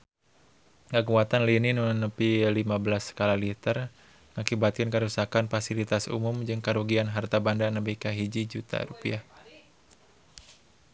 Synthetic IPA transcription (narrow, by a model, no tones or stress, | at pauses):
ŋəkuat̪anlininunəpilimabəlasə̥kalalit̪ər | ŋakibat̪̚kɨnkəɾusakanfasilit̪asṵmumd͡ʒɨŋkaɾuɡianɦart̪abandanəbikaɦid͡ʒid͡ʒut̪a̰ɾupia